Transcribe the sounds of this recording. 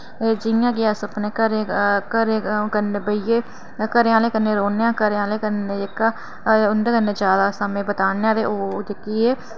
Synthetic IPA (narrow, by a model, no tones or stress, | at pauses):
ed͡ʒɪjãːɡɪaːsəpneːkəɾeːkəɾeːkənːeːbəieː | kəɾeãːleːkənːeːɾoːnejãːkəɾeãːleːkəneːekːaː | ʊnd̪eːkənːeːd͡ʒjaːd̪aːsamẽːbət̪aːneːãːt̪eːʔoːd͡ʒɪkiːeː